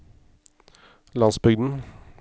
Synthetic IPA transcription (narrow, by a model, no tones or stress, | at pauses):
lɑnsbʏɡd̪n̩